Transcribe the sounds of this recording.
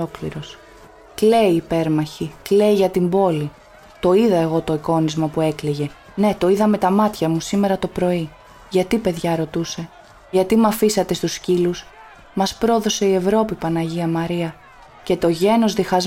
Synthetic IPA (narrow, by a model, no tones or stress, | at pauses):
oklḭɾo̞s | kle̞iːpe̞ɾmɐçikle̞iʝɐt̪imbo̞li | t̪o̞iðɐe̞ɣo̞t̪o̞iko̞nizmɐpue̞kleʝe̞ | ne̞t̪o̞iðɐme̞t̪ɐmɐt̪çɐmusime̞ɾɐt̪o̞pɾo̞i | ʝɐt̪ipe̞ðʝɐɾo̞t̪use̞ | ʝɐt̪imɐfisɐt̪e̞st̪uscilus | mɐspɾo̞ðo̞se̞ie̞vɾo̞pipɐnɐʝiɐmɐɾiɐ | ce̞t̪o̞ʝe̞no̞zðixɐz